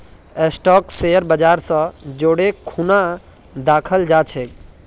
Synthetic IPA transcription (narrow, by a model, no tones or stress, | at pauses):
esʈɔkseəɾbəd͡ʒaɾsə̃d͡ʒoːɽekʰuna | d̪akʰəld͡ʒat͡ʃʰek